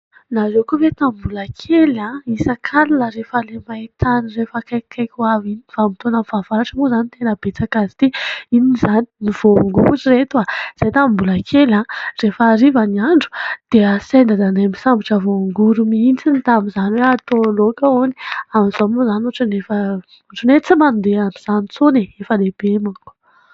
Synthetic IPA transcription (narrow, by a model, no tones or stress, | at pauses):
nazewkuvet̪ambulakʰelãisakʰalilaɾefəlemait̪anirefəkakʰːajkʲuavinifamit̪onəfavaɾaʈ͡ʂəmozanit̪enəbet͡sakazi̥t̪iiniizani̥niv̥oŋɡuuʈ͡ʂiret̪uaz̥ajt̪ammbulakʰelãrefaɾivaniaɳɖ͡ʐu̥d̪̥easend̪ad̪anamisambiʈ͡ʂavoŋɡuɾumint͡sinit̪amizaniweat̪olokaoniamizomozanuʈ͡ʂanefə | uʈ͡ʂunet͡simand̪eauz̥anit͡soniefəleb̥emaku̥